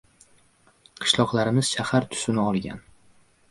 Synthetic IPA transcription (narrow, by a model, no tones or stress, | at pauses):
qʰɨ̥ʃlˠɒqlˠaɾɪmɪz̥ʃahaɾt̪ʰʊ̥sɪnɪɒlˠɡʲa̰n